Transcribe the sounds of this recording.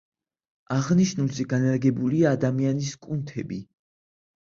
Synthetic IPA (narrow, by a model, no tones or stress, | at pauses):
aʁniʃnulˠzɛɡanaɾɡɛbuliaːd̪amianiskʼunt̪ʰɛbi